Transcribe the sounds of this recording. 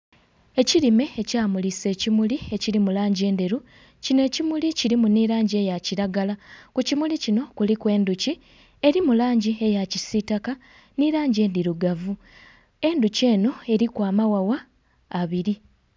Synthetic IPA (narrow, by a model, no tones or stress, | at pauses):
e̞ciɾime̞ːcaːmulise̞ːcimulie̞ciɾimulaːɲɟe̞ːndeɾu | cine̞ːcimuliciɾimuniɾaːɲɟie̞jaciɾaɡalakucimulicino̞kulikwe̞ːnduci | e̞ɾimulaːɲɟie̞jacisitaka | niɾaːɲɟe̞ːndiɾuɡavu | e̞nduce̞ːno̞e̞ɾikwaːmawawaː | βiɾi